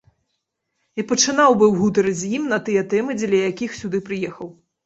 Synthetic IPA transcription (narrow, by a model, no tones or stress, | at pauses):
ipɐt͡ʂɨnawbɨwɣut̪̬ɐɾɐd͡zʲjimnɐt̪ɨjɛt̪ɛmɨd͡zʲɛlʲɐjakʲixsʲud̪ɨpɾɨjɛxɐw